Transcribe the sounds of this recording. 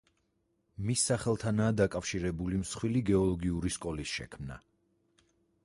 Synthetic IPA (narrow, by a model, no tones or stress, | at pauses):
misːaχɛlˠt̪ʰanaːd̪akʼafʃiɾɛbulimsχwiliɡɛɔlˠɔɡiuɾiskʼɔlisʃɛ̰kʰmna̰